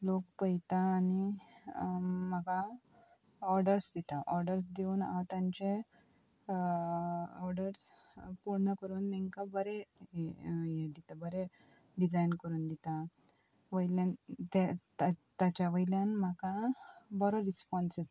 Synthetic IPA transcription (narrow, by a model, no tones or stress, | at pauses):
lokpəjt̪aːni | m̤aɡa | ɔɾɖəɾsd̪it̪aʔɔɾɖəɾs̬d̪euːna̰wt̪ãɲt͡ɕe | ɔɾɖəɾs | puɽɳəkəɾuːnːɛŋkabəɾe | jed̪it̪abəɾe | ɖid͡zajnkəɾuːnd̪it̪a | ʋəjljant̪et̪t̪at͡ɕaʋəjljanmakabɔɾoɾispɔnse